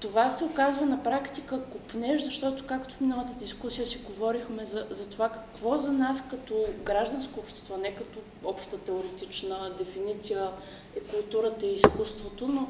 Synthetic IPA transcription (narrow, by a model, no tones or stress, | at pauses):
t̪ovasɛokazvənɐpɾakt̪ikəkʊpnɛʒzɐʃt̪ɔt̪ʊ̥kakt̪ʊ̥fminəvˠət̪əd̪iskusijəsiɡovɔɾixmɛzɐzɐt̪ovakɐkvɔzɐnaskɐt̪ɔɡɾaʒd̪ɐnskoːpʃt̪ɛ̥st̪vɔnɛkɐt̪ɔ | ɔpʃt̪ət̪ɛʊɾɛt̪it͡ʃnəd̪ɛfinit̪sijə | ɛkʊlˠt̪uɾət̪əiːskust̪vot̪ono